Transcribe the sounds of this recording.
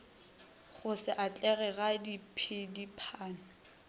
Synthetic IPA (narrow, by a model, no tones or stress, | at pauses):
χʊsɪʔat͡ɬʼɛɣɛɣadipʰɪdipʰaːnʊ